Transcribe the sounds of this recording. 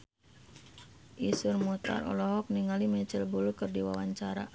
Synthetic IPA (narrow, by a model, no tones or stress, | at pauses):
ʔisurmut̪a̰rɔ̰lɔɦɔk̚niŋalimɛt͡ʃəlbulukərdiwa̰waɲt͡ʃaɾa̰